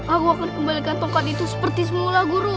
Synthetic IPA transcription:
ʔakuakankəmbalikant̪okat̪it̪usə̥pərt̪is̬əmulaɡuɾu

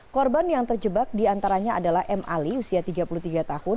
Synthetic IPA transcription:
kɔrbanjaŋt̪ərd͡ʒəbak̚diant̪aɾaɲaadalahʔɛmʔa̰liusiat̪iɡapulut̪iɡat̪ahʊ

